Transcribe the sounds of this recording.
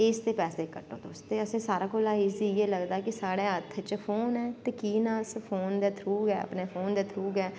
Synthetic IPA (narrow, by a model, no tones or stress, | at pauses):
ɪːst̪eːpɛːseːkəʈo̰ːt̪oːst̪eːəsẽːsaːɾaːkoːlaːiːzieːləɡd̪aːkɪsaːɽeːət̪ʰt͡ʃpʰoːnɛːt̪ekiːnãːspʰoːnd̪eːt̪ʰɾuːɡɛ̰ːə̰pneːpʰoːnd̪eːt̪ʰɾuːɡɛː